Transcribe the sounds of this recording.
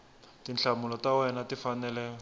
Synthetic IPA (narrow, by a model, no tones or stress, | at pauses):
tint͡ɬamʊlɔtawɛnatifanɛlɛ